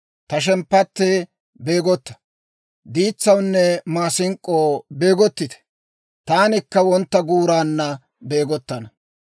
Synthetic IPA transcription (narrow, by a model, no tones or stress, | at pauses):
t̪ɐʃ̬ɛmpːɐt̪ːeː | beːɡɔt̪ːɐ̥ | d̪iːt͡sːɐwnːɛmaːsɪŋkʼːoːbe̞ːɡɔt̪ːɪt̪ɛ̥ | t̪aːnɪkːɐwɔnt̪ːɐɡuːɾaːnːɐ | be̞ːɡɔt̪ːɐnɐ